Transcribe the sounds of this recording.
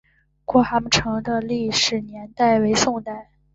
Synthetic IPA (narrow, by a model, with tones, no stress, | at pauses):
kwɔ˥˩xa˧˥m˥ʈ͡ʂʰɤ˧˥ŋd̪ə˧li˥˧ʂɻ̩˥˩njɛ˧˥nt̪a˥˩ɪwe˧˥ɪsʊ˥˧ŋt̪a˥˩ɪ